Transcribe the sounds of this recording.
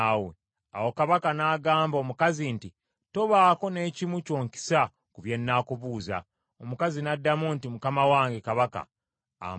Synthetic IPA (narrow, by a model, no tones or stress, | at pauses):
wḛ | a̰wo̞kaβakanaːɡaːmbo̞ːmukazinti | to̞βaːko̞ne̞ːcimuco̞ːŋki̥sa | kuβje̞nːaːkuβuːza̰ | omukazinadːamuntimukamawaːŋɡe̞kaβaka̰ː